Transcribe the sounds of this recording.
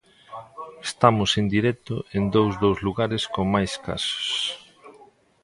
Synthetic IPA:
est̪amʊsend̪iɾɛt̪ʊʔend̪owzðowzluɣaɾɪskoŋmajska̰sʊ̥s

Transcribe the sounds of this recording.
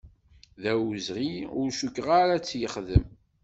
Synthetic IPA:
ðæwzʁiʊɾʃukːʁaɾat͡sːjəχðəm

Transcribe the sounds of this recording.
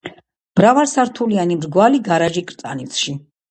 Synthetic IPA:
b̥ɾavaɾsaɾt̪ʰulianimɾɡwaliɡaɾaʒikʼɾt̪ʼa̰nit̪sʰʃi

